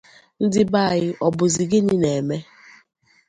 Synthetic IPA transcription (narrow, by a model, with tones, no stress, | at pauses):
n̩˦dɪ˦ba˦˨ɣɪ˦ʔɔ˨bʊ˨zi˨ɡɪ˦nɪ˦ne˨e˨me˦